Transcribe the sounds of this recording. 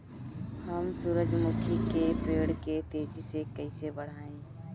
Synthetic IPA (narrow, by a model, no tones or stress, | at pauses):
həmsuːɾəd͡ʒmʊkʰikepeːɽket̪eːd͡ʒsekəɪsebəɽ̤aːẽː